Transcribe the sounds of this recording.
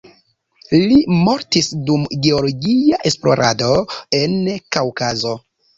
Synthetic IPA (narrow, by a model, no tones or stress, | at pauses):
limo̞ɾtisdumɡe̞oloɡiaʔe̞splo̞̰ɾʔa̰do̞e̞nkawkazo̞